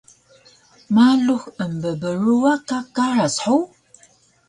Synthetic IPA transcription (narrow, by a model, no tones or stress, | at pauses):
maluxəmbəbəruwakakarasħow